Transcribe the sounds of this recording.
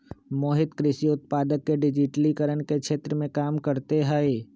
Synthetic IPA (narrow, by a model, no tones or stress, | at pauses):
moːɦɪt̪kɾɪʃiʊt̪̚paːd̪əkːeɖɪd͡ʒɪʈlikəɾənkeʃʰeːt̪ɾəmẽkaːmkəɾt̪eɦəe